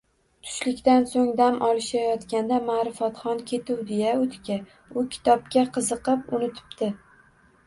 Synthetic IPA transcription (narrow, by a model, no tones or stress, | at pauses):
t̪ʰʊ̥ʃlɪkʲt̪ansoŋd̪amʔɒlˠɪʃajɒt̪kʲand̪amaɾɪfat̪χɒnkʲʰe̞t̪ʰɪwd̪ejaot̪ʰkʲa | ʊkʲʰɪ̥t̪ʰɒp̚kʲaqʰɨzɨqɨpʊnɪt̪ʰɪ̥pd̪ɪ